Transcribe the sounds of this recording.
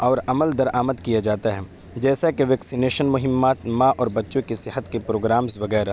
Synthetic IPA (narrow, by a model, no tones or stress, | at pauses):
ɔːɾɐməld̪ɐɾaːməd̪kijad͡ʒaːt̪aɦɛ | d͡ʒɛːsakeʋɛːksineːʃənmʊɦɪmːaːt̪mãʔɔːɾbɐtːʃõkesɪɦət̪kepɾoːɡɾaːmzʋɐɡɛːɾa